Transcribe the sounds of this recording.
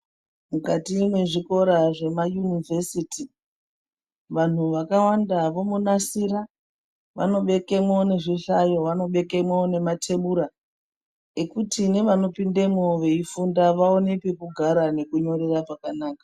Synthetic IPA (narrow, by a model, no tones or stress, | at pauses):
mukatimwe̞ʐiko̞ɾaʐe̞majunivʱe̞siti | ʋan̤uʋakawandaʋo̞munasiɾa | ʋa̰no̞ɓe̞ke̞mone̞ʐiɬajo̞ʋano̞ɓe̞ke̞mwone̞matʰe̞ɓuɾa | ekutine̞ʋano̞pindemoʋe̞ifundaʋao̞ne̞pe̞kuɡʱaɾane̞kuɲo̞ɾe̞raʐakanaːkḁ